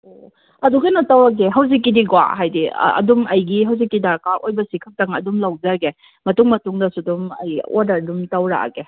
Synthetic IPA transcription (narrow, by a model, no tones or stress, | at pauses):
o | ɐduɡɐjnɐtawɾaɡeɦɐwzik̬ːidiɡwa̰ɦajdḭɐ̰dumɐjɡiɦawzikːidaɾkaʔojbɐsikʰɐk̚tɐŋɐdumlawd͡ʒɐɾɡe | mɐtuŋmɐtuŋdɐsudumɐ̰jo̰dɐɾdumtawɾa̰ɡe